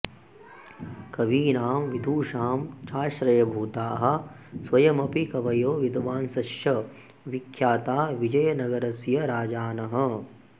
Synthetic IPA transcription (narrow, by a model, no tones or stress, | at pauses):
kɐʋiːnaːmʋid̪ʱuːʃaːmt͡ʃaːʃɾɐjɐbʱuːt̪aːɦɐ̆ | sʋɐjɐmɐpikɐʋɐjoːʋid̪ʱʋaːnsɐʃjɐ | ʋikʰjaːt̪aːʋid͡ʒɐjɐnɐɡɐɾɐsjɐɾaːd͡ʒaːnɐɦɐ̆